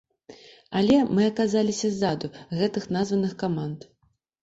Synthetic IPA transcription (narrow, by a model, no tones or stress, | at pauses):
ɐlʲɛmɨɐkazalʲisʲɐzad̪uɣɛt̪ɨxnazvɐnɨxkamant̪